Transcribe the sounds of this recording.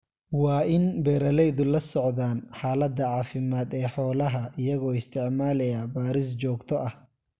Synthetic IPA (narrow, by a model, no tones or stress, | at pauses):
wɑːɪnbɛːɾɐlɛjðʊlɐsɔʕðaːnħaːlɐd̪ɐʕɑːfɪmaːd̪ɛːħɔːlɐɦɐɪjɐɣɔːɪst̪ʰɪʕmaːlɛjaːbaːɾɪs̬d͡ʒɔːɡt̪ʰɔʔɐh